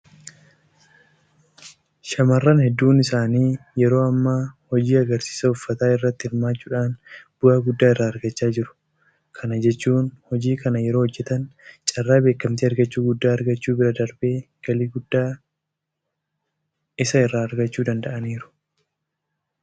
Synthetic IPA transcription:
ʃɐmɐrːɐnhɛd̪ːuːnɪsaːniːjɛɾo̞ːɐmːaːhɔd͡ʒiːɐɡɐɾsi̥ːsɐʊfːɐt̪aːɪrːɐt̪ːɪhɪɾmaːt͡ʃːuːᶑaːnb̥ʊʔaːɡʊd̪ːaːɪrːaːɐɾɡɐt͡ʃːaːd͡ʒɪɾʊ̥ | kʰɐnɐd͡ʒɛt͡ʃːuːnhɔd͡ʒiːkɐnɐjɛɾo̞ːhɔd͡ʒːɛt̪ɐnt͡ʃʼɐrːaːbe̞ːkːɐmt̪iɐɾɡɐt͡ʃːuːɡʊd̪ːaːɐɾɡɐt͡ʃːuːbɪɾɐd̪ɐɾb̥eː | ɡ̥ɐliːɡʊd̪ːaː | ɪsɐɪrːaːɐɾɡɐt͡ʃːuːd̪ɐnd̪ɐʔɐniːɾʊ̥

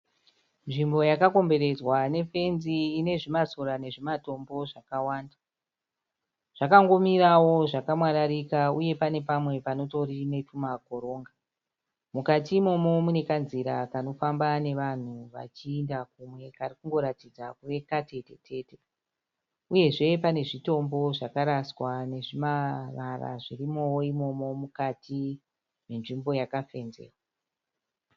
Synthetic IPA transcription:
nʐimbo̞jakako̞mbe̞ɾe̞d͡zwane̞fe̞nziːne̞ʐimasoɾane̞ʐimato̞mbo̞ʐakawaːnda | ʐ̥akaŋɡo̞miɾawo̞ʐakamwaɾaɾikauje̞pane̞pamwe̞pano̞to̞rine̞tumako̞ɾo̞ːŋɡa | mukatimo̞mo̞mune̞kanziɾakano̞fambane̞ʋan̤uʋa̰t͡ʃiːndak̚umwe̞karikuŋɡo̞ɾatid͡zakuʋe̞kate̞te̞̰tʰe̞ːte̞ | uje̞ʐe̞pane̞ʐito̞mbo̞ʐakaɾaswane̞ʐimarara̰ʐirimo̞woimo̞mo̞mukati | menʐimbo̞jakafe̞nzḛːrwa

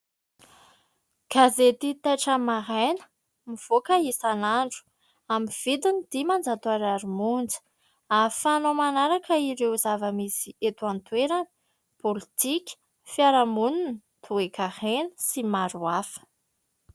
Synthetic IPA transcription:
ɡ̥azet̪it̪aʈ͡ʂamaɦanə̥ | miv̥okaisanaɳɖ͡ʐu̥ | amiv̥id̪unid̪̥imand͡zat̪uaɾaɾumund͡zə̥ | afanomanaɾakəiɾewzavəmisiet̪ant̪weɾanə̥ | polit̪ikʲə̥ | fjaɾamunun | t̪ʰuekahenə̥simaɾuafə̥

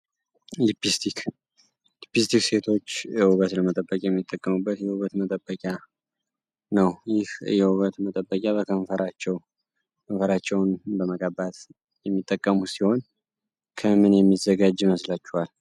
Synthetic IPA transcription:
lipist̪ik | lipist̪ʰikse̞t̪ʰo̞t͡ʃːɛhuβət̪ləmət̪ʼəbːəkʼajɛmːit̪ʼːəkʼːəmubːət̪jɛhuβət̪mət̪ʼəbːəkʼja | nəwjɪhɨjɛhuβət̪mət̪ʼəbːəkʼjaβəkʰəɱfəɾʔat͡ʃːɛw | kʰəɱfəɾat͡ʃːɛwnbəməkʼəbat̪ | jɛmːit̪ʼːəkʼːəmusiho̞n | kʰəmɨnjɛmːizːəɡad͡ʒːməslat͡ʃːuhal

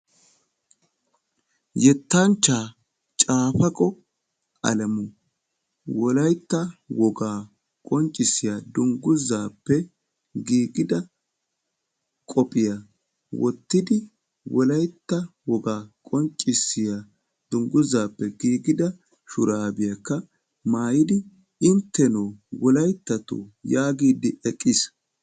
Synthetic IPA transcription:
jɛt̪ːɐnt͡ʃːaː | t͡ʃʼaːfɐkʼɔ | ʔɐ̰lɐmʊ | wɔlɐjt̪ːɐwɔɡaː | kʼɔnt͡ʃʼɪsɪjad̪ʊŋɡʊzaːpːɛ | ɡiːɡɪd̪ɐ | kʼɔpʼɪja | wɔ̰t̪ːɪd̪ɪ | wɔlɐjt̪ːɐwɔɡaːkʼɔnt͡ʃʼːɪsːɪja | d̪̥ʊŋɡʊzːaːpːɛɡiːɡɪd̪ɐ | ʃʊɾaːbɪjɐkːɐ | maːjɪd̪ɪ | ɪnt̪ːɛnoːwɔlɐjt̪ːɐt̪o̰jaːɡiːd̪ɪʔɛkʼːɪs

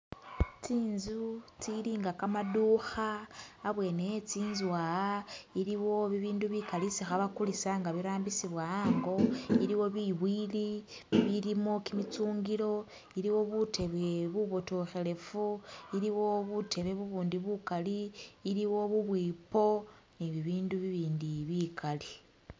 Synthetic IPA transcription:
t͡siːnzut͡siɾiːŋɡakamaduxaːβwe̞ːnejet͡siːnzwaːaiɾiβo̞βiβiːnduβikalisixaβakulisaŋɡaβiɾaːmbisiβwaaːŋɡo̞iɾiwo̞βiβwili | βiɾimo̞kimit͡suːŋɡiɾo̞ | iɾiwo̞βute̞βwe̞βuβo̞toxe̞le̞fuiɾiwo̞βutʰe̞βe̞βuβuːndiβukaliːɾiwo̞βuβwiːpo̞ | niβiβiːnduβiβiːndiβikali

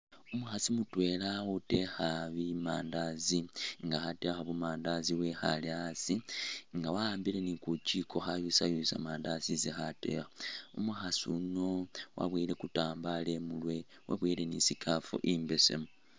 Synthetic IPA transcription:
umuxasimutwe̞lautexaβimaːndaziŋɡaxate̞xaβumaːndaziwexa̰liasiŋɡawaaːmbile̞nikuciko̞xajusajusa̰maːndazizixate̞̰xaumuxasuno̞wa̰βwiːle̞kutaːmbale̞mulwe̞ | wʔa̰βwiːle̞nisikʰafṵʔimbe̞sḛmu

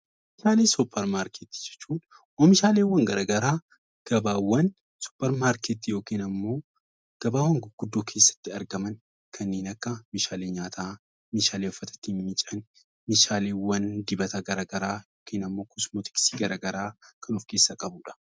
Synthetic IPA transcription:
mɪʃaːleːsʊpːɐɾmaːɾkʰet̪ːi̥d͡ʒɛ̥t͡ʃːuːᶑ | ʔɔmɪʃaːleːwːɐŋɡɐɾaɡɐɾaː | ɡ̥ɐbaːwɐn | sʊ̥pːɐɾmaːɾkɛt̪ːijo̞ːkeːnɐmːo̞ː | ɡ̥ɐbaːwːɐŋɡʊɡ̥ʊd̪ːoːkʰe̞ːsːɐ̥t̪ːɪɐɾɡɐmɐn | kʰɐnːeːnɐkːɐmɪʃaːleːɲaːt̪ʰaː | mɪʃaːleːʊfːɐt̪ɐ̥t̪inmɪt͡ʃʼɐn | mɪʃaːleːwɐnd̪ɪbɐt̪ɐɡɐɾaɡɐɾaːjo̞ːkʰeːnɐmːo̞ːkʊsmɔt̪ɪ̥ksi̥ːɡɐɾaːɡɐɾaːkʰɐnʊfkeːsːɐkʼɐbuːᶑɐ̥

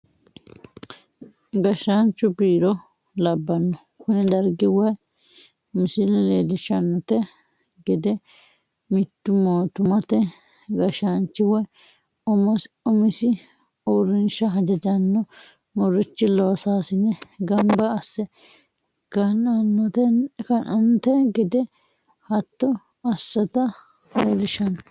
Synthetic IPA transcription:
ɡɐʃant͡ʃːʊbiːɾɔ | lɐbːɐnːɔ | kʊnɛd̪ɐɾɡɪwɐj | mɪsɪlɛleːlɪʃɐnːɔt̪ɛ | ɡɛd̪ɛ | mɪt̪ːʊmoːt̪ʊmɐt̪ɛ | ɡɐʃant͡ʃːɪwɔj | ɔmɔs | ʊmɪsɪ | oɾɪnʃɐɦɐd͡ʒɐd͡ʒɐnːɔ | mɔɾɪt͡ʃːɪloːsaːsɪnɛɡɐmbɐːsːɛ | kːɐnɐnːɔt̪ɛkɐnɐnt̪ɛɡɪd̪ɛ | hɐt̪ːɔ | ɐsːɐt̪ɐ | leːlɪʃɐn

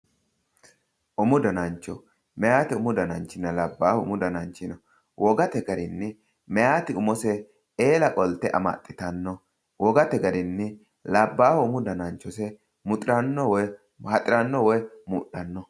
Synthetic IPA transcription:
ʔʊmʊd̪ɐnɐnt͡ʃːɔ | mɛjaːt̪ɪʊmʊd̪ɐnɐnt͡ʃːɪnːɐlɐbːaːhɔʊ̰mʊd̪ɐnɐnt͡ʃːɪnɔ | wʔɔɡɐt̪ɛɡɐɾɪnːɪ | mɛjaːt̪ɪʊmɔsɛ | eːlɐkʼɔlt̪ɛʔɐ̰ma̰t̪ʼːɪt̪ɐnːɔ | wʔɔɡɐt̪ɛɡɐɾɪnːɪ | lɐbːaːhɔʊmʊd̪ɐnɐnt͡ʃːɔsɛ | mʊt̪ʼɪɾɐnːɔwɔ | hɐt̪ʼɪɾɐnːɔwɔjmuːɗːɐnːɔ

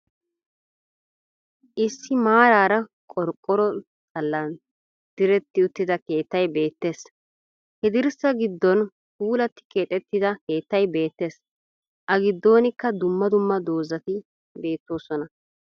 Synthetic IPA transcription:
ʔɪsːɪmaːɾaːɾɐ | kʼɔɾkʼɔɾɔ | t̪ʼɐlːɐn | d̪̥ɪɾɛt̪ːɪʊt̪ːɪd̪ɐke̞ːt̪ːɐjbe̞ːt̪ːe̞ːs | hɛd̪ɪɾsɐɡɪd̪ːɔn | huːlɐt̪ːɪ̥ke̞ːt̪ʼɛt̪ːɪd̪ɐke̞ːt̪ːɐjbe̞ːt̪ːe̞ːs | ʔɐɡɪd̪ːo̞ːnɪkːɐd̪ʊmːɐd̪ʊmːɐd̪o̞ːzɐt̪ɪ | be̞ːt̪ːo̞ːsɔnɐ

